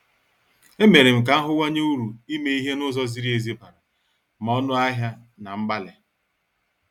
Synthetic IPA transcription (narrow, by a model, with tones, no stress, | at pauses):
e˦me˨ɾɪ˨m̩˨k̬a˨˦a˦ɦʊ˦wa˦ɲe˦u˦ɾu˨i˦me˦i˦ɦe˦nʊ˦zɔ˦zi˦ɾi˦e˨zi˦pa˨ɾa˨ | ma˨˦ɔ˦nʊ˦a˦ɦja˦ | na˨m̩˦ba˦le˨